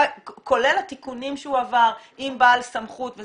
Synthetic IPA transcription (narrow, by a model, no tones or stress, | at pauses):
ko̞le̞lat̪ikunimʃeuavaʁimbaːlsamχut̪ve